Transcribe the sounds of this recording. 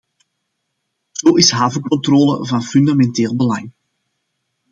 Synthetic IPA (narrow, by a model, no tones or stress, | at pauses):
z̥oːɪsɦaːvəkɔntroːlə̰vɑnfyndamɛnteːlˠbəlɑŋ